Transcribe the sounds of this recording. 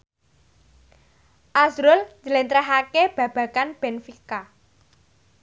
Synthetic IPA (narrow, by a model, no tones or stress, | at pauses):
ʔazɾʊlɲd͡ʒəlent̪ɾɛɦakeb̥ä̤b̥a̤kanb̥enfika